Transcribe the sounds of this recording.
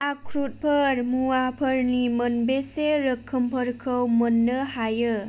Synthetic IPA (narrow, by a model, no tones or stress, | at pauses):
akʰɾut̚pʰəɾmuwapʰəɾnimənbeseɾəkʰːəmpʰəɾkʰəwmənːɯhajɯ